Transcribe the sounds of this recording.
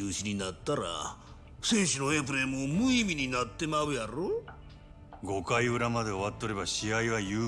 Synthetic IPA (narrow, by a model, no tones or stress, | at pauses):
ɯːɕiɲ̟inat̪ːaɾa̰ | se̞ːɕino̞epɯ̟ɾe̞momɯimʲiɲ̟inat̪ːe̞maɯ̟jaɾo | ɡo̞kaiɯ̟ɾamad̪e̞o̞βat̪ːeoɾe̞baɕiaiβajɯː